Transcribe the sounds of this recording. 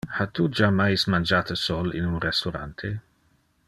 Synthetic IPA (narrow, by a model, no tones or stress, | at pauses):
hat̪ud͡ʒamajsmand͡ʒaːt̪əsolɪ̰nunrɛst̪ɔɾa̰nt̪ʰe